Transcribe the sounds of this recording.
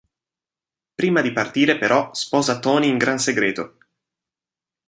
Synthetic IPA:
pɾiːmad̪ipart̪iːɾepeɾʔɔspɔːzat̪ɔːniːŋɡɾanseɡɾeːt̪o

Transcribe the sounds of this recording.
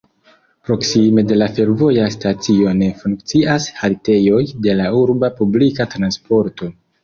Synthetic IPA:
pɾo̞ksime̞de̞lafe̞ɾvo̞jastat͡sio̞ne̞fuŋkt͡siashalte̞jo̞jde̞lauɾbapublikatɾanspo̞ɾto̞

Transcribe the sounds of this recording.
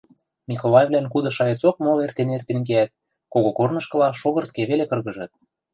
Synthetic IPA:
mʲikolˠɑjevβlænkud̪ɤ̆ʃɑjet͡sok̚molert̪enert̪eŋɡeæt̪̚ | koɣokornɤ̆ʃkɤ̆lɑʃoɣɤ̆rt̪keβelekɤ̆rɣɤ̆ʒɤ̆t̪̚

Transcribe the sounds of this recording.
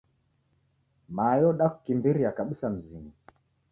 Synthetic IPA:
majɔɗaku̥kimbiɾiakaɓusam̩ziŋi

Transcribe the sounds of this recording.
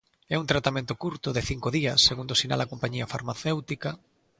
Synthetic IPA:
ɛunt̪ɾat̪amẽnt̪ʊkuɾt̪ʊðeθiŋkoðiɐsːeɣund̪osina̰ld̪ɐkompaɲiɐfaɾmaθewt̪ika

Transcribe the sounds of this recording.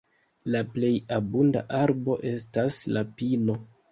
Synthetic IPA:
laple̞jabunda̰ʔaɾbo̞ʔe̞staslapino̞

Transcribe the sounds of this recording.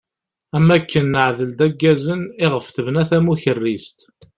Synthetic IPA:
æmːækʰːənːəʕðəld̪æɡːæzəniɪʁəfθəvnæθæmuçərːist̪

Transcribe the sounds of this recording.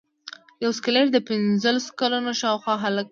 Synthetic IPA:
jawskɪleɾd̪əpɪnzəlaso̥kalunoʃɑwxwɑɦalk̚

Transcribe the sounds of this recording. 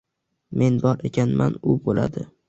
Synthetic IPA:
mʔe̞nbɒɾe̞kʲʰanmʔa̰nʊbola̰d̪ɪ

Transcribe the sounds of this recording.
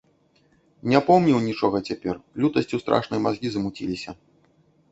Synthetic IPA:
nʲɛpɔwmnʲiwnʲit͡ʂɔɣɐt͡sʲapʲɛrlʲut̪ɐsʲt͡sʲust̪ɾa̰ʂnɐjmazɣʲizɐmut͡sʲḭlʲisʲɐ

